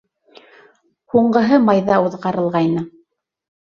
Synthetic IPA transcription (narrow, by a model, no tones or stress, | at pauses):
huɴɢɤ̆ɦɤmɑjðɑuðʁɑɾɤ̆lˠʁɑjnɤ